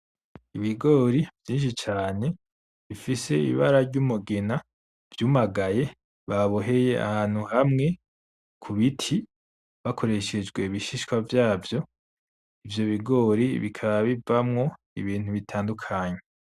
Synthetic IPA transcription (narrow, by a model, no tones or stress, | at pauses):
iβiɡo̞ːɾiv̥jiːnʃit͡ʃaːne̞ | βifise̞ḭβaɾaɾɟumuɡena | v̥juːmaɡaje̞ | βaβoɦe̞je̞a̰haːn̥huhamŋe̞ | kʰuβitʰi | βakʰo̞ɾe̞ʃe̞d͡ʒɡwe̞βiʃiʃkwavjaːvjo̞ | ivjo̞βiɡo̞ːɾiβikʰaβaβivamŋo̞ | ḭβiːn̥huβitʰaːndukʰaɲe̞